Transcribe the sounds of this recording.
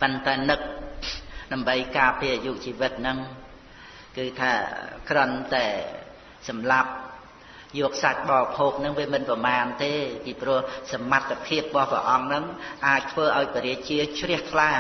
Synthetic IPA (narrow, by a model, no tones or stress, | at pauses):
pənt̪aɛnɨk̚ | ɗaəmɓəjkaːpiajuːʔt͡ɕiːʋɨt̪̚nɨŋ | kɨːt̪ʰa̰ːkrɔ̆ənt̪aɛ | sɑmlap̚ | jɔːk̚sac̚ɓɑːpʰoːk̚nɨŋʋiəmɨnprɑmaːnt̪eːpiːprʊ̆əhsamat̪ʰːapʰiəp̚ɓɑhprɛ̰ʔɑŋnɨŋʔaːc̚t̪ʰʋəːʔaɔjpiəɾiəc̚t͡ɕiət̪̚t͡ɕʰrɛəht̪ʰla